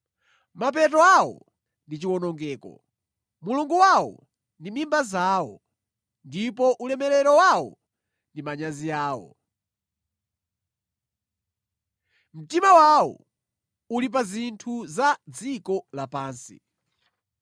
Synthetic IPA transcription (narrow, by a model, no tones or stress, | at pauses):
map̬ɛt̬ɔawɔ̰ | ndit͡ʃiwɔnɔŋɡɛːkɔ̰ | muluŋɡuwawɔ̰ | ndimimbazaːwɔ | ndipɔʔulɛmɛɾɛɾɔwawɔ̰ | ndimaɲazijaːwɔ̰ | m̩timawawɔ̰ | ulip̬azintʰuzad͡zikɔlapaːnsḭ